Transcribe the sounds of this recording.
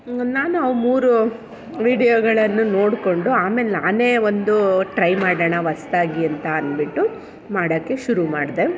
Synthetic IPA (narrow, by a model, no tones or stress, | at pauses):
naːnɐʋumuːɾu | ʋiːɽijoɡɐɭɐnːuno̞ːɽko̞ɳɖuaːmeleaːne̞ːʋond̪uʈɾɐjmaːɽɐɳɐʋɐst̪aːɡiɐnt̪ɐɐnbiʈːu | maːɽɐkːe̞ʃuɾumaːɽd̪e